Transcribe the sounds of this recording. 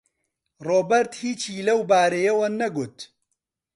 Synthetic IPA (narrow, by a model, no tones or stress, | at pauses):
roːbɐɾt̪hiːt͡ʃiːlɐwbaːɾejɐwɐnɐɡut̪